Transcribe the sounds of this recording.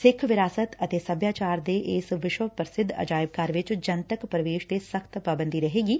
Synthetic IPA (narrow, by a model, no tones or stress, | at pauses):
sɪkʰʋɪɾaːsət̪ət̪eːsəbjaːt͡ʃaːɾd̪eːʔɪsʋɪʃʋəpəɾsɪd̪ʱːə̰d͡ʒaːɪb̚kaːɾʋɪt͡ʃd͡ʒənt̪əkpɾəʋeːʃt̪esəkʰt̪paːbə̃nd̪iːɾəɦeːɡiː